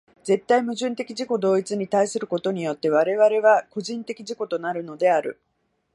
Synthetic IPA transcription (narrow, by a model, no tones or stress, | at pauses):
d͡ze̞t̪ːaimɯ̟ʑɨ̃nt̪e̞kʲiʑiko̞d̪o̞ːit͡sɨɲ̟it̪aisɨɾɯ̟ko̞t̪o̞ɲ̟ijo̞t̪ːe̞β̞aɾe̞βaɾe̞β̞ako̞ʑĩnt̪e̞kʲiʑiko̞t̪o̞naɾɯ̟no̞d̪e̞aɾɯ̟̰